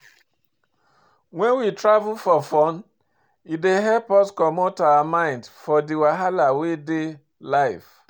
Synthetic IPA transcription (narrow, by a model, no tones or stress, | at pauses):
wɛ̃nwitɹavulfɔfɔn | ideɦɛlpɔskɔmotawamãɪ̃ndfɔdiwaɦalawede | laɪf